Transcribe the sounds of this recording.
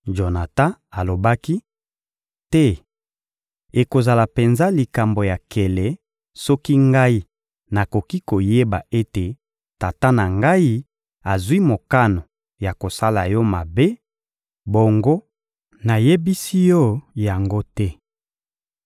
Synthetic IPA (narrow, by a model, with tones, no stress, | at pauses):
ʒo˨na˨ta˦a˨lo˨ba˦ki˦ | tɛ˦ | e˨ko˨za˨la˨pe˨nza˦li˨ka˨mbo˨ja˨ke˨lɛ˨ | sɔ˦ki˦ŋɡa˦i˦ | na˨ko˨ki˦ko˨je˦ba˨ʔe˦te˨ | ta˨ta˦na˨ŋɡa˦i˦ | a˨zwi˦mo˨ka˦no˨ | ja˨ko˨sa˦la˨jɔ˦ma˨be˦ | bo˨ŋɡo˦ | na˨je˦bi˦si˦jɔ˦ja˨ŋɡo˦tɛ˦